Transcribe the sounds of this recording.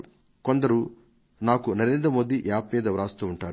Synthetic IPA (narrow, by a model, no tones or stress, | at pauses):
ko̞nd̪ɐɾu | naːkunɐɾeːnd̪ɾɐmo̞ːd̪iʔjaːpmiːd̪ɐʋɾaːst̪uːuɳʈaːɾu